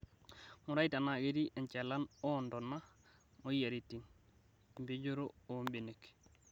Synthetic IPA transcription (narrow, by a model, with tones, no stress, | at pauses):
mu˨ɾa˦jta˨na˨ɡe˦ɾi˦ʔe˨ɲt͡ʃe˨la˦no˦ndona˦ | mo˦ja˨ɾiti˨n | mbe˦ɟo˦ɾoo˦mbe˨nek